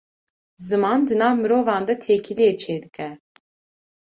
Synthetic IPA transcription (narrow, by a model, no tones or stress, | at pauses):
zɨmɑːnd̪ɨnɑːvmɨɾoːvɑːnd̪ɛt̪ʰeːkʰilijɛt͡ʃʰeːd̪ɨkɛ